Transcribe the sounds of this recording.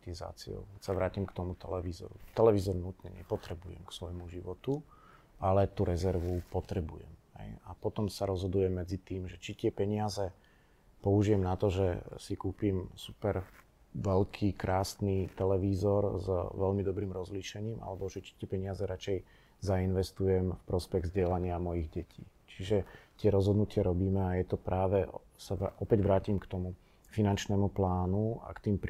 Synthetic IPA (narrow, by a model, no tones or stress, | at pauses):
t̪iza̰ːt͡sḭo̰ʊkɛsaʋɾaːcimkt̪ɔmut̪ɛlɛʋiːzɔ̰ɾṵt̪ɛlɛʋiːzɔɾnut̪ɲɛ̰ɲɛ̰pɔt̪ɾɛbujɛ̰mksʋɔjmuʒiʋɔt̪u | ʔalɛt̪uɾɛzɛɾʋupɔt̪ɾɛbujɛ̰mɦɛ̰japɔt̪ɔmsaɾɔzɦɔd̪ujɛmːɛd͡zit̪iːmʒɛt͡ʃit̪ɪɛpɛɲɪazɛ | pɔuʒiɛmnat̪ɔʒɛsikuːpimsupɛɾ | ʋɛlkʰiːkɾaːsnit̪ɛlɛʋiːzɔɾzʋɛʎmid̪ɔbɾiːmɾɔzliʃɛɲiːma̰lɛbɔʒɛt͡ʃi̥t̪ɪɛpɛɲɪazɛɾat͡ʃɛj | zainʋɛst̪ujɛmfpɾɔspɛɣzɟɪɛlaɲɪamɔjiɣɟɛcʰḭː | t͡ʃiʒɛt̪ɪɛɾɔzɦɔd̪nucɪaɾɔbiːmɛajɛt̪ɔpɾaːʋɛ | saʔɔpɛɟʋɾaːcimkt̪ɔmu | finant͡ʃnɛːmuplaːnua̰kt̪iːmpɾ